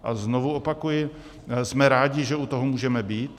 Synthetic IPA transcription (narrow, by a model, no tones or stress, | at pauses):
ʔaznovuopakujɪ | smɛɾaːɟɪʒɛut̪oɦomuːʒɛmɛbiːt̪